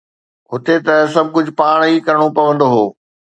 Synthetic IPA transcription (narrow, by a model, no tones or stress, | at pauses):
ɦʊt̪et̪ɐs̬ɐb̚ʱkʊd͡ʑʱʊpaːɽ̃ikɐɾəɽ̃opɐʋə̃nd̪oɦoː